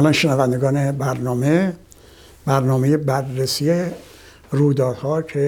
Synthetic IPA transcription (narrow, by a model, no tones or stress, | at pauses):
lɒːnʃenævænd̪eɡɒːnebæɾnɒːme | bæɾnɒːmejebærːesije | ruːjd̪ɒːd̪̥hɒːkʰe